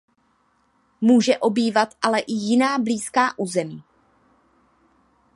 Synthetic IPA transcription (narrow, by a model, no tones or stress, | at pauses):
muːʒɛʔo̞biːvat̪ʔalɛʔɪjɪnaːbliːskaːʔuːzɛmiː